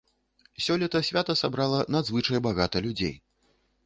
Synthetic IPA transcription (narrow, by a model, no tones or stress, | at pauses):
sʲɔlʲit̪ɐsʲvʲat̪ɐsabɾalˠɐnad̪zvɨt͡ʂɐjbaɣat̪ɐlʲud͡zʲḛj